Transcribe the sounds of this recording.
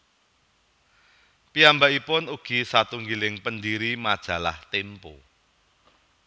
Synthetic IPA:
piambaʔipʊnuɡ̥i̤sat̪uŋɡilɪŋpəndiɾimad̥ʒ̥ä̤la̰ht̪empo

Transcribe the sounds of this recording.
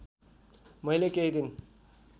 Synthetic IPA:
mʌjlekeɦid̪ʱin

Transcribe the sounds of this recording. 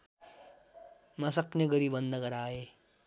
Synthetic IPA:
mʌsʌkneɡʌɾibʌnd̪ʌɡʌɾaːe

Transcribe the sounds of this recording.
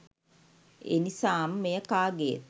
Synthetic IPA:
ḛnisaːmːejəkaːɡḛt̪

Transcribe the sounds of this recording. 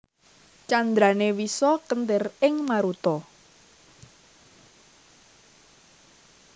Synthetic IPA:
t͡ʃand̪ɾanewisɔkənt̪ɪrɪŋmaɾut̪ɔ

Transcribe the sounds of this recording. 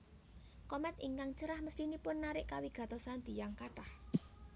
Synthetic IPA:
kɔmɛt̪iŋkaŋt͡ʃəɾahməsʈinipʊnːaɾɪʔkawiɡ̥ä̤t̪ɔsand̪̥i̤jaŋkaʈah

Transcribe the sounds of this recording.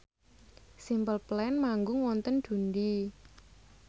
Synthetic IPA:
simbəlplɛnmaŋɡʊŋwɔnt̪ənd̪̥ṳnd̪i

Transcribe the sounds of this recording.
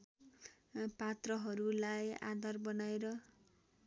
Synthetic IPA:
pat̪rʌɦʌɾulajã̰d̪ʱʌrbʌnaeɾʌ

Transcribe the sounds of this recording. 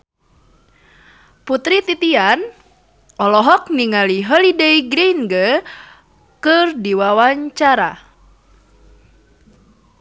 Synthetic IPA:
put̪ɾit̪it̪ian | ɔlɔɦɔk̚niŋaliɦəlideiɡɾinɡə | kɨrdiwawaɲt͡ʃaɾa

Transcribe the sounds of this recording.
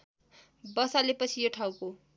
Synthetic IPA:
bʌsalepʌt͡sʰijoʈʰawko

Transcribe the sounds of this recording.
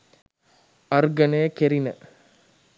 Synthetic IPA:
ɐrɡɐnɐjəkeɾinə

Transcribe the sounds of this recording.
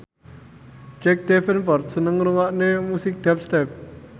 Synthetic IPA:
d͡ʒɛk̚d̪ɛfənfɔrt̪̚sənəŋɾuwaʔnemusɪk̚d̪̥ɛp̚st̪ɛp̚

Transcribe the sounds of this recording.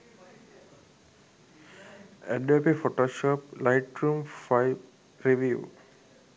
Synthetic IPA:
ɛɖepifoʈoːʃoːplaɪʈɾumfaɪʋ | ɾeʋiṵː

